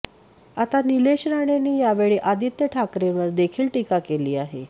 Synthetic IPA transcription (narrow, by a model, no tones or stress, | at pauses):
at̪anileɕɾaɳ̃aniːjaʋeɭeʔad̪ʱit̪jəʈʰakɾẽʋəɾd̪ekʰiːlʈikakeliːaɦe